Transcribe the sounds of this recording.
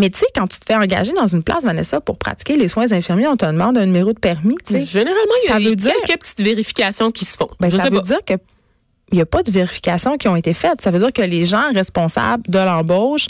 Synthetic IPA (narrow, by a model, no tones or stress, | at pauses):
mɛt̪sekɑ̃t̪y̥t̪ə̥fɛɑ̃ɡa̰ʒed̪ɑ̃zynpla̰svanɛ̰sɔpʊʁpχa̰t͡si̥kʲeleswɛ̃zɛ̃fiʁmjeɔ̃t̪əd̪mɑ̃d̪ɛ̃nymeʁod̪̚pɛʁmit̪t͡seʒeneʁalmɑ̃jsavød͡zziɛːlkəpət̪i̥t̪veʁifi̥kʲasjɔ̃kʲi̥sə̥fɔ̰̃bɛ̃ʒsasvød͡ziːʁkə | jəpʌd̪əveʁifi̥kʲasjɔ̃kʲiɔ̃et̪efɛt̪savød͡ziːʁkəleʒɑ̃ʁɛspɔ̃sa̰bld̪əlɑ̃bɔʃ